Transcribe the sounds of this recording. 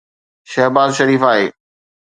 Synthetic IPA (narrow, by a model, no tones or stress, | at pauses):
ʃɛɦbaːzʃɐɾiːfaːɦḛː